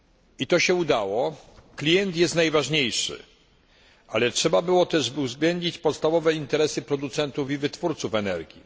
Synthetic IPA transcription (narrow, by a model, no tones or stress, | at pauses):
it̪ɔɕɛud̪awɔklʲijɛnt̪jɛst̪najvaʐɲejʂɘ̰ | ʔalɛtʂɛbabɘwɔt̪ɛʐbɘuzɡlɛndɲit͡ɕpɔt̪st̪avɔvɛint̪ɛɾɛsɘpɾɔd̪ut̪sɛnt̪ufivɘt̪fuɾt̪sufɛnɛɾɡʲjḭ